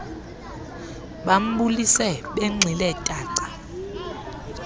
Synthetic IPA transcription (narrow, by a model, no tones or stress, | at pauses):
ɓam̩ɓulisɛɓɛŋ͡ǀʱilɛtʼaːǀḁ